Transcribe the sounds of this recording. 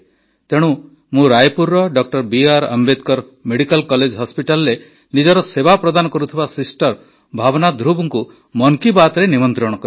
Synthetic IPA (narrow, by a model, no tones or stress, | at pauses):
t̪eɽ̃u | mũɾajpuɾːɔɖɔk̚ʈɔɾbiaɾa̰mbed̪kɔɾ | meɽikalkɔled͡ʒɦɔspiʈalɔɾe | nid͡ʒɔɾɔsebapɾɔd̪anɔkɔɾut̪ʰibasisʈɔɾ | bʱabɔnad̪ɾubɔŋku | mɔŋkibat̪ɾenimɔnt̪ɾɔɽ̃ɔkɔɾi